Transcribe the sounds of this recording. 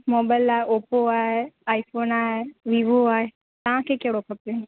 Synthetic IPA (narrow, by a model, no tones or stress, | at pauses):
moːbaːɪlaːɦeʔoːpoaːɦeaːifoːnaːɦeʋiːʋoaːɦe | t̪ɐʋ̤ãkʰeːkeːɪɽopʰɐpõ